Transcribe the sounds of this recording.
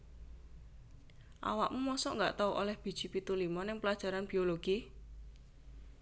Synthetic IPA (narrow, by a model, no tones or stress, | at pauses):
ʔa̰waʔmumɔsɔʔŋɡaʔt̪auʔolɛhb̥i̤̥ʒ̥i̤pit̪ulimɔnɪŋpəlḁʒ̥a̤ɾanb̥ioloɡ̥i